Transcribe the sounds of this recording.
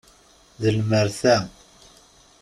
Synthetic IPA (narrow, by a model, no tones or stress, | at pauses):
ðəlməɾθæ